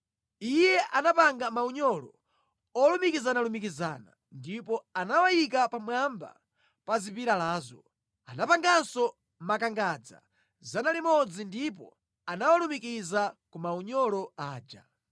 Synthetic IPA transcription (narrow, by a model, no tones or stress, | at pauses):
ijɛʔanapaŋɡamauɲɔlɔ | ɔlumikizanalumikiza̰ːna̰ | ndipɔanawajik̬apamwamba̰ | pazipiɾalaːzɔ | anapaŋɡansɔ | makaŋɡad͡za̰ | zanalimɔd͡zindip̬ɔ̰ | anawalumikizakumauɲɔlɔaːd͡ʒa̰